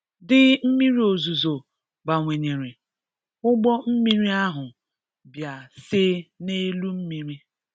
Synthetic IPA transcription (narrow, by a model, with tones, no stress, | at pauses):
dɪ˦m̩˦mi˦ɾi˦o˨zu˨zo˨ | ba˨ŋʷe˨ɲe˨ɾe˨ | ʊ˦ɡ͡bɔ˦m̩˦mi˦ɾi˦a˦ɦʊ˨ | bja˨sɪ˦ne˦lu˦m̩˦mi˦˨ɾi˦